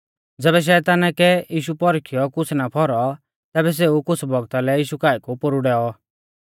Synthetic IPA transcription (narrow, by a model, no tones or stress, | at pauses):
d͡zɛːβɛʃ̬ɛːt̪aːnakɛjiːʃ̬upɔɾkʰɪjɔkʊt͡sʰnapʰɔɾɔ | t̪ɛːbɛs̬eukʊt͡sʰbɔɡt̪alɛjiːʃukaːikupʊɾuɽɛːɔ